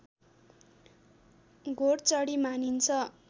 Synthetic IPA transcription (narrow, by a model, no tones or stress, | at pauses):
ɡʱoɽt͡sʌɽimanint͡sʰʌ